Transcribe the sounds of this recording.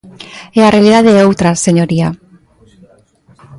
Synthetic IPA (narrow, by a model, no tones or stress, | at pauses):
ɛarealiðaðeowt̪ɾaseɲoɾia